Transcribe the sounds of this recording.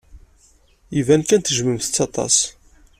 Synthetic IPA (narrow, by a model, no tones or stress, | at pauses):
ivænkænt̪əʒməmθə̥t͡sːɑt̪ˤɑ̰s